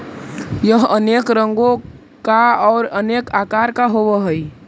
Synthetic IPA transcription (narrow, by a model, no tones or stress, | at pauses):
jəɦənekɾəŋɡo | kaɔːɾənekakaɾkaɦoβəɦəj